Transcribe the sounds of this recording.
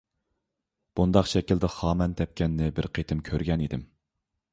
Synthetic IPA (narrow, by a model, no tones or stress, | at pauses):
b̥und̪ɑqʃɛkʲild̪ɪχɑːmɛnt̪ʰɛp̚kʲʰɛnːɪbɪɾqʰet̪ʰɪmkʲʰøɾɡʲɛnid̪ɪm